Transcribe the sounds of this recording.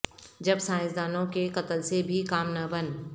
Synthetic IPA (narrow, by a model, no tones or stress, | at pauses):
d͡ʒɐbsãːjɪ̃sd̪aːnõkekɐt̪əlsebʱikaːmnɐbən